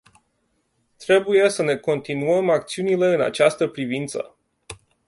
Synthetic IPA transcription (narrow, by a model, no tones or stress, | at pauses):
t̪ɾe̞buje̞səne̞ko̞nt̪inuəmakt̪siunile̞ɨna̰t͡ʃast̪əpɾivint̪sə̰